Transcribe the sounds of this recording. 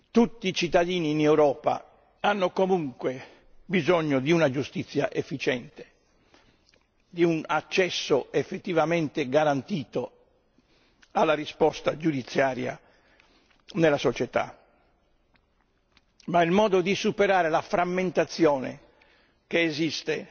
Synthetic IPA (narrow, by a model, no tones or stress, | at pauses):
t̪ut̪ːiːt͡ʃit̪ːad̪iːniːnewɾɔːpa̰ | anːokomuŋkwe | bizɔɲːod̪iunad͡ʒust̪it̪sːja̰ʔefːit͡ʃɛnt̪e̥ | d̪iunat͡ʃːɛsːoefːet̪ːivament̪eɡaɾant̪iːt̪o | alːarispɔst̪ad͡ʒud̪it̪sːjaːɾja̰ | nelːasot͡ʃɛt̪a̰ | mailmɔːd̪od̪isupeɾaːɾelafɾamːent̪at̪sːjɔːnḛ | keːzist̪e